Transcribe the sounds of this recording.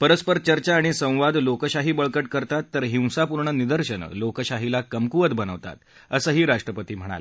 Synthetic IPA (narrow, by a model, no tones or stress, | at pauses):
pəɾəspəɾt͡ɕəɾt͡ɕaːɽ̃isə̃w̃ʋad̪lokəɕaɦiːbəɭkəʈkəɾt̪at̪ːəɾɦĩw̃sapuɾɳənid̪əɾɕənə̰lokəɕaɦilakəmkuʋət̪bənəʋt̪a̰t̪̚ | əsəɦiːɾaʂʈɾəpət̪iːm̤əɽ̃a̰l